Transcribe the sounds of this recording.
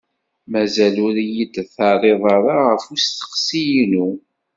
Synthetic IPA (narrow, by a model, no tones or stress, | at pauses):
mæzælʊɾjid̪θɑɾˤeðˤɑɾˤaʁəfust̪ə̥qsijnu